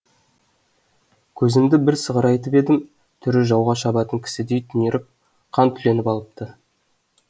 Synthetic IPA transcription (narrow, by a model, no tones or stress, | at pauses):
kʲʰɵzɪmd̪ɪbɪɾsəʁəɾɑjt̪əpe̞d̪ɪm | t̪ʰʏɾɪʒɑwʁɑʃɑbɑt̪əŋkʲʰɪ̥sɪd̪e̞jt̪ʰʏneɾɪp̚ | qʰɑnt̪ʰʏle̞nɪpɑlˠəp̚t̪ʰə